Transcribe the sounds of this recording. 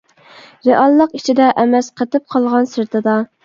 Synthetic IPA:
ɾeʔɑlˠːəqit͡ʃʰid̪ɛʔɛmɛsqʰət̪ɪp̚qʰɑlˠʁɑnsɨɾt̪ʰɨd̪ɑ

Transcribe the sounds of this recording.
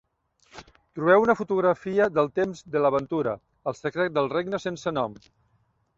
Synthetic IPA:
t̪ɾuβɛwunəfut̪uɣɾəfiəðəlˠt̪emzðələβ̞ənt̪uɾə̰ | əlˠsəkɾɛt̪̚d̪əlˠreɡnəsensənɔm

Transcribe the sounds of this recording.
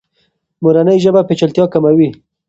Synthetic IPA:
muɾanəjʒəbapet͡ʃalt̪jɑkamawi

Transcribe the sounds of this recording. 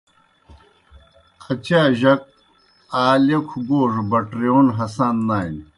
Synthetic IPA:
kʰɐt͡ɕaːʑɐk̚ | aːlekʰuɡoːʐbɐʈɾioːnɦɐsaːnːaːin

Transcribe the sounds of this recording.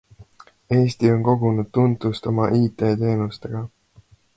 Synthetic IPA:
e̞ːst̪io̞nko̞ɡ̥unud̪̥̚t̪unt̪ˑust̪o̞mɑʔiːt̪e̞ːt̪e̞ːnust̪e̞ɡ̥ɑ

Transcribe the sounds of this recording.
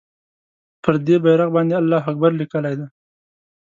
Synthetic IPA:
pəɾd̪ebajɾaɣbɑnd̪ealːɑɦak̚baɾlikəlajd̪aj

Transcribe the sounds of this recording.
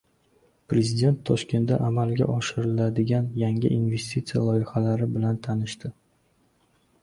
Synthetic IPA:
pɾezɪd̪ʲe̞nt̪ʰːɒʃkʲe̞nt̪d̪a̰ʔamalɡʲa̰ʔɒʃɪɾɪlad̪ɪɡʲanjaŋʲɪ̰ʔinve̞sʲt̪ʲʰit̪sɨja̰lˠɒjɪhalaɾɪbɪlant̪ʰanɪʃt̪ɪ

